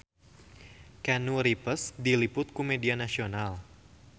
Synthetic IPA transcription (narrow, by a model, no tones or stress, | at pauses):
kanuɾipəsdilipʊt̪̚kumedianasional